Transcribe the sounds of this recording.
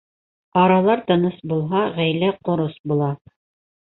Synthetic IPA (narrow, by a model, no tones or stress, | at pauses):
ɑɾɑlˠɑɾt̪ɤ̆nɤsbulˠɦɑʁæjlæqŏɾosbulˠɑ